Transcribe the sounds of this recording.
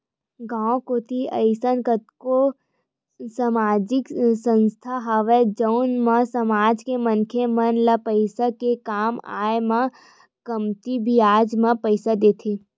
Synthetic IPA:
ɡãːõkoːt̪ʰiɐɪsənkət̪ko | səmaːd͡ʒɪksə̃nst̪ʰaɦaːʋed͡ʒəʊnmãsɐmaːd͡ʒkemənkʰemənlapəɪsakekaːma̰ːemã | kəmt̪ibʱiaːd͡ʒmãpəɪsad̪eːt̪ʰeː

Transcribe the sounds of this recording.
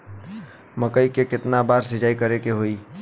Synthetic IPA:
məkəikekɪt̪nabaːɾsɪd͡ʒaːikəɾekeɦoi

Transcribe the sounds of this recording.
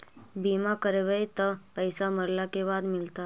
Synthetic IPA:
bimakəɾeʋəjt̪əpəjsaməɾlakeʋad̪milt̪a

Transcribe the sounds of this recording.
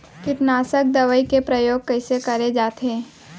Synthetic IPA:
kɪʈnaːsək̚d̪ɐʋəikepɾɐjoːɡ̚kɐɪsekɐɾed͡ʒaːt̪eː

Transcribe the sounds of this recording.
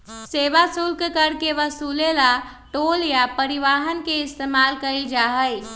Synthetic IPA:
seʋasulkkəɾkeʋəsulela | ʈoljapəɾiʋaɦənkeɪst̪emalkəild͡ʒaɦəj

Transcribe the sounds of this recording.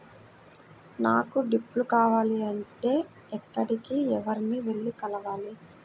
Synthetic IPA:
naːkuɖipːlukaːʋaːliɐɳʈe̞ː | ɛkːɐɽikiɛʋɐɾiniʋe̞ɭːikɐlɐʋaːli

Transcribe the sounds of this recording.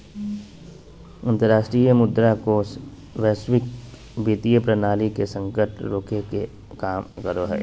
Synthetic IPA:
ɐ̃nt̪əɾaːʃʈɾijəmʊd̪ɾakos | ʋɛːswɪk̚ | biːt̪ijəpɾənaːlikesə̃ŋkəʈɾoːkeke | kaːmkəɾoɦɛ̰ː

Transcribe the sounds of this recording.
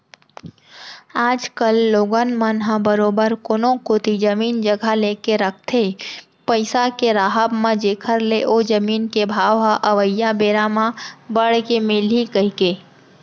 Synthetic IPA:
aːd͡ʒkəlːoːɡənmənɦãbəɾoːbəɾkoːnõkot̪id͡ʒəmiːnd͡ʒəɡʱaleːkeɾək̚ʰt̪ʰe | pəɪsakeɾaːɦəbmãd͡ʒeːkʰəɾleʔoːd͡ʒəmiːnkebʱaːʋɦãʔɐʋəjːãbeːɾamãbəɽkemelikəikeː

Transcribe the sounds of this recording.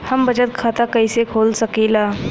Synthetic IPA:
hɐmbɐd͡ʒət̪̚kʰaːt̪akɐisekʰoːlsəkilaː

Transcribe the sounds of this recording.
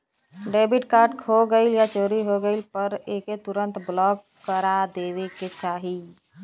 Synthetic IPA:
ɖebiʈkaɾɖkʰoɡəɪljat͡ʃoɾiɦoɡəɪlpəɾeket̪uɾənt̪blɔkːəɾad̪eʋeket͡ʃaɦi

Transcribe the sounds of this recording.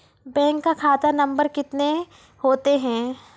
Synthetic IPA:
bɛ̃ːŋkːakʰaːt̪anɐ̃mbəɾkɪt̪ne | hoːt̪eɦɛ̃ː

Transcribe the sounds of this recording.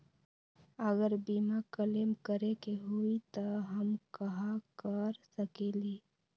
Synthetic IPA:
əɡəɾbiːmakəlemkəɾekeɦuit̪əɦəmkəɦakəɾsəkeːli

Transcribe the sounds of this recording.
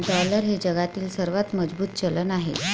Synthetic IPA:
ɖɔləɾɦed͡ʑəɡat̪iːlsəɾʋat̪məd͡zbuːt̪̚t͡ɕələnaɦḛ

